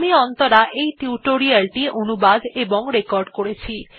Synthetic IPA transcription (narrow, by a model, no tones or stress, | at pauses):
miɔnt̪oɾaʔejʈuʈoɾialʈiʔonubad̪eboŋɾekɔɾɖkoɾet͡ɕʰi